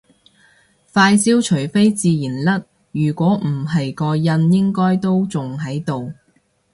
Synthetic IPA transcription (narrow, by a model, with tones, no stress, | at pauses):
faː˧jsiː˥wt͡ʃʰɵ˨˩ɥfe˥jt͡siː˧jiː˨˩nlɐ˥t̚ | jyː˨˩kʷɔː˨˥m̩˨˩ɐ˨jkɔː˧jɐ˧˥njɪ˥ŋkɔː˥jt̪o˥wt͡sʊ˨ŋɦɐ˨˥jt̪o˨w